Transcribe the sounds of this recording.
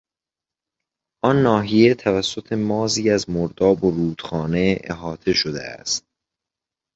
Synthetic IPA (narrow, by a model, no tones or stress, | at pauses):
ʔɒnːɒːɦije̞t̪ʰævæsːo̞t̪ʰe̞mɒːziːæzmoɾd̪ɒːboɾuːd̪̥xɒːne̞ḛɦɒːt̪ʰe̞ʃod̪ḛæ̰st̪̚